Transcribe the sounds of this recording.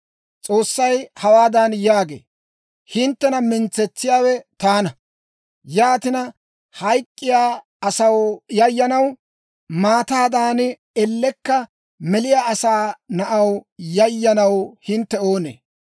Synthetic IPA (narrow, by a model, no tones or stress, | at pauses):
t͡sʼo̞ːsːɐjhɐwaːd̪anjaːɡḛː | hɪnt̪ːɛnɐmɪnt͡sːɛt͡sːɪjaːwɛt̪aːnɐ | jaːt̪ɪnɐ | hɐjkʼːɪjaː | ɐsɐwjɐjːɐnɐw | maːt̪aːd̪aːn | ɛlːɛkːɐ | mɛlɪjaːɐsaːnɐʔɐwjɐjːɐnɐwhɪnt̪ːɛo̞ːnḛː